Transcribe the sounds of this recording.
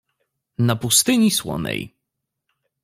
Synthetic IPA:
napust̪ɘɲiswɔ̰nɛ̰j

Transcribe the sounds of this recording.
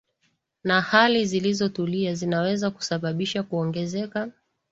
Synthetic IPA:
nahalizilizɔtuliazinawɛzaku̥saɓaɓiʃakuɔŋɡɛzɛka

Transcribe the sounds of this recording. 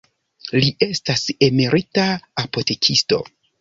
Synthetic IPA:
liʔe̞stase̞meɾʔitaapo̞te̞kʰisto̞̰

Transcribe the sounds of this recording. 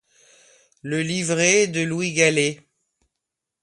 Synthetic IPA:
ləlivʁed̪əlwiɡale

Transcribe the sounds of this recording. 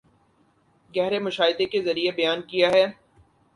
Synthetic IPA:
ɡɛɦɾemʊʃaːɪd̪ekezɐɾiebɐjaːnkijaɦɛː

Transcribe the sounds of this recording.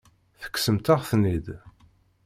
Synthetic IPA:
θə̥kːsəmt̪aʁθnid̪

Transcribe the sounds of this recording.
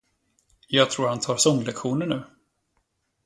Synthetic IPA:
jɑːɡt̪ʰɾuːɾhant̪ʰɑːɾsɔŋːlɛkɧuːnəɳʉ̟ː

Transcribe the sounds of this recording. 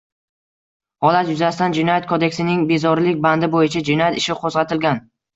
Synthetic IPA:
hɒlat̪jʊzasɪt̪and͡ʒɪnɒjat̪̚kʰod̪e̞kʲsɪnɪŋbe̞zɒɾlɪkʲband̪ɪbojɪt͡ʃʰad͡ʒɪnɒjat̪ɪʃɪqʰozʁɑt̪ʰɪlɡʲan

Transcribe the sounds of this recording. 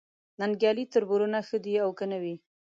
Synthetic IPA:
nanɡjɑlit̪əɾbuɾunaxəd̪iawkənawi

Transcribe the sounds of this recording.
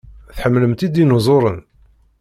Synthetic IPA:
θħəmːləmt̪id̪inʊzˤoɾˤən

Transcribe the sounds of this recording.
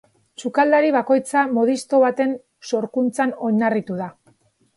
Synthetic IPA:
t͡ʃukald̪aɾiβ̞ako̞jt͡samo̞ð̞ist̪o̞βat̪e̞n | so̞ɾkunt͡sano̞ɲarit̪uða

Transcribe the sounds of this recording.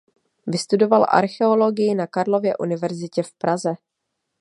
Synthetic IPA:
vɪst̪udo̞valʔa̰ɾxɛo̞lo̞ɡɪjɪnakaɾlo̞vjɛʔunɪvɛɾzɪcɛfpɾʔazɛ

